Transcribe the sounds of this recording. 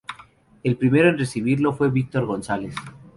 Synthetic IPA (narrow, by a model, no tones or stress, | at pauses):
e̞lpɾime̞ɾoenresiβ̞iɾlo̞fwe̞βik̚t̪o̞ɾɣo̞nsale̞s